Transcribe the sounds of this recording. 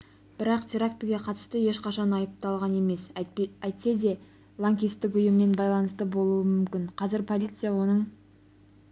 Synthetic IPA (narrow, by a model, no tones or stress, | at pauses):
b̥ɪɾɑqt̪ʲʰeɾak̚t̪ɡʲe̞qʰɑt̪ə̥st̪əje̞ʃqɑʃɑnɑjəp̚t̪ɑlˠʁɑne̞me̞sæjt̪se̞d̪e̞ | lˠaŋkʲijst̪ːɪk̬ʊjɪmːe̞nbɑjlˠɑnəst̪əbo̞lˠuəmʏmkʲɪɴqʰɑzɪɾpʰo̞lˠijt̪sɨjawo̞nəɴ